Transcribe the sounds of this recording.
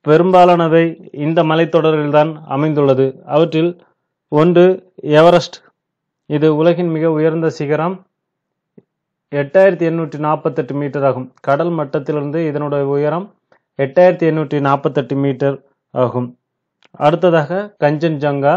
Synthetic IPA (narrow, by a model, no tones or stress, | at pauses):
pɛɾɯmbaːlaːnɐʋɐɪɪnd̪ɐmɐlɐɪt̪ːɔɽɐɾɣɪlt̪aːnɐ̰mɐɪnd̪ɯɭːɐðɯɐʋɐʈrɪl | ɔndrɯɛʋɐɾɐsʈ | ɪðɯʊlɐɣɪnmɪɣɐʊjɐɾnd̪ɐsɪɣɐɾɐm | ɛʈːaːjɪɾɐt̪ːiɛnːuːʈrinaːɾpɐt̪ːɐʈːɯmiːʈːɐɾaːɣɯmkɐɽɐlmɐʈːɐt̪ːɪlɪɾɯnd̪ɯɪðɐnɯɽɐjɐʊjɐɾɐm | ɛʈːaːjɪɾɐt̪ːiɛnːuːʈrinaːpɐt̪ːɐʈːɯmiːʈːɐɾ | aːɣɯm | ɐɽɯt̪ːɐðaːɣɐkɐɲd͡ʒɐnd͡ʒɐŋɡaː